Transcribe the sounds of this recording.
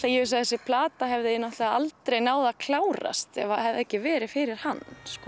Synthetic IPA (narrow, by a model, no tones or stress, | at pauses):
t̪ajɛvɪs̬aθɛsɪpʰlaːt̪aɦɛvðɪɪnaht̪laalt̪ɾejnaːwðakʰlaːwɾa̰st̪ɛ̰vahɛvðɛhcɪvɛːɾɪfɪɾɪɾ̥hanːskɔ